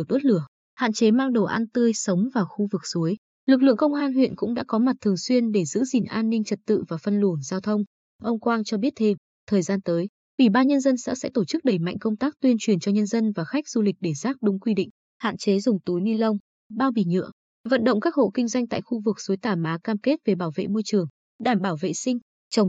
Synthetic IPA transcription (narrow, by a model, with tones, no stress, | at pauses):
ɗo˦˥t̚lɨ˧˩ə | ha̰ː˧˨t͡ɕe˨˦maː˧ŋɗo˧˩ʔaː˧nt̪ɨ˧əjsə˨˦wŋ͡mvaː˨˩wxu˧vɨ˨˩k̚su˨˦j | lɨ˨˩k̬̚lɨ̰˧˨əŋkə˧wŋ͡mʔaː˧nhwḭ˧˨nkʊ̰˧˥ŋ͡mɗa̰ː˧˥kɔ˨˦ma˨˩t̚t̪ʰɨ˨˩əŋswi˧ənɗe˧˩zɨ̰˧˥zi˨˩nʔaː˧nːï˧ŋ̟t͡ɕə˨˩t̚t̪ɨ̰˧˨vaː˨˩fə˧nlu˧˩ənzaː˧wt̪ʰə˧wŋ͡m | ʔə˧wŋ͡mkwaː˧nt͡ɕɔ˧ɓi˦˥ət̚t̪ʰe˧m | t̪ʰəː˨˩jzaː˧nt̪əː˨˦j | ʔwi˧˩ɓaː˧nɲə˧nzə˧nsɛ̰˧˥sɛ̰˧˥t̪o˧˩t͡ɕɨ˦˥k̚ɗə˨˧˩jma̰˧˨jŋ̟kə˧wŋ͡mt̪aː˦˥k̚t̪wi˧ənt͡ɕwi˨˩ənt͡ɕɔ˧ɲə˧nzə˧nvaː˨˩xa˦˥jk̟̚z̥u˧lï˨˩k̟̚ɗe˧˩zaː˦˥k̚ɗʊ˨˦ŋ͡mkwi˧ɗḭ̈˧˨ŋ̟ | ha̰ː˧˨nt͡ɕe˨˦zʊ˨˩ŋ͡mt̪u˨˦jni˧lə˧wŋ͡m | ɓaː˧wɓḭ˧˩ɲɨ̰˧˥ə | və̰˧˨nɗə̰˧˨ŋ͡mkaː˦˥k̚ho̰˧˨kï˧ŋ̟zwa˧jŋ̟t̪a̰ː˧˨jxu˧vɨ˨˩k̚su˨˦jt̪aː˧˩maː˨˦kaː˧mke˦˥t̚ve˨˩ɓaː˧˩wvḛ˧˨mo˧jt͡ɕɨ˨˩əŋ | ɗaː˧˩mɓaː˧˩wvḛ˧˨sï˧ŋ̟ | t͡ɕə˨˦wŋ͡m